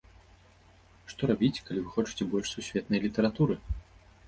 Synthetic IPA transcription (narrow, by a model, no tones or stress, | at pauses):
ʂt̪ɔɾabʲit͡sʲkalʲivɨxɔt͡ʂɨ̥t͡sʲɛbɔlʲʂsusʲvʲɛt̪nɐjlʲit̪ɐɾat̪uɾɨ